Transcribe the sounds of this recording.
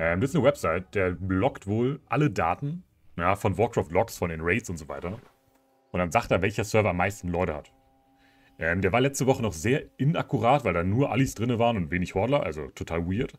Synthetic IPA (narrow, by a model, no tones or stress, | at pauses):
ʔɛːmdeɪsnəwɛpz̥aɪt̚d̥eːɐblɔktv̥oːlʔaləda̰ːtn̩ | jaːfɔnvɔɐkʁ̥aftlɔksfɔndɪnʁɛɪtsʊntzoːvaɪtɐ | ʔʊntd̥anzaːkteːɐvɛlçɐsœɐvɐamːaɪstn̩lɔʏtəha̰t | ʔɛːmdeːɐvaɐlɛt͡stəvɔχənɔχz̥eːɐʔɪnʔakuʁaːtv̥aɪldaːnuːɐʔalisd̥ʁɪnəvaːʁənʊntveːnɪçhɔɐdlɐʔa̰lzo̰tʰotʰaːlwiːɐt